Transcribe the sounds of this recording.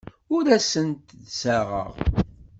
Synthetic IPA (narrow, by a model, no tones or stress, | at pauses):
ʊɾæsənt̪ðsəʁə̰ʁ